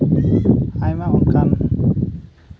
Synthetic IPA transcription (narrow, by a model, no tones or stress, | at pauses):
ajmaunkan